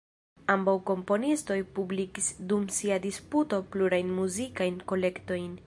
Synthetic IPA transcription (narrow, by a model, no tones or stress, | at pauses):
ambawko̞mpo̞nisto̞jpublikisdumsiadisputo̞pluɾajnmuzikajnko̞le̞kto̞jn